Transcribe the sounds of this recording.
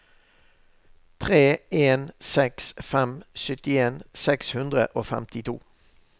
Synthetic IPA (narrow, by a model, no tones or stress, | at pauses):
t̪ʰʁeːeːnsɛksfɛmsʏt̪ɪeːnsɛkshʉnd̪ʁə̰ʔoːfɛ̰mt̪ʰɪt̪ʰṵː